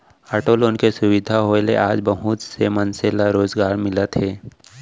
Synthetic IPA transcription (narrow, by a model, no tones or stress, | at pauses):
aːʈoːlʊnkesʊwɪd̪ʱaɦoːelḛʔaːd͡ʒbəɦʊt̪semənselaɾoːzɡaːɾmɪlət̪ɦɛː